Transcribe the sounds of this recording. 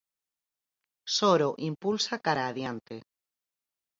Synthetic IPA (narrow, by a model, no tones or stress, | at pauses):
soɾoʔimpulsakaɾaːðjant̪e